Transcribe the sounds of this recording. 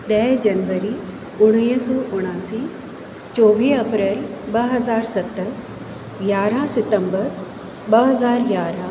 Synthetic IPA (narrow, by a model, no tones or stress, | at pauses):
ɗɛːd͡ʒɐnʋəɾi | ʊɽ̃iːsɔːʔʊɽ̃aːsi | t͡ɕɔːʋiːɐpɾeːlbɐɦɐzaːɾsɐt̪ːəɾ | ɡjaːɾãsɪt̪ə̃mbəɾ | ɓɐɦɐzaːɾɡjaːɾã